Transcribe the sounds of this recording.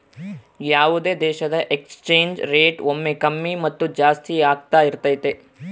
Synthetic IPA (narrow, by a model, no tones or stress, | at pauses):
jaːʋud̪ed̪eːʃɐd̪ɐʔekst͡ʃeːɲd͡ʒɾeːʈomːekɐmːimɐt̪ːud͡ʒaːst̪iaːɡt̪aiɾt̪ɐit̪e